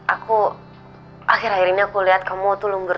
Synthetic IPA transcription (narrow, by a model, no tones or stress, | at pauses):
ʔaku | axiɾɦaiɾiniakuliɦat̪̚kamɔt̪ulʊŋbər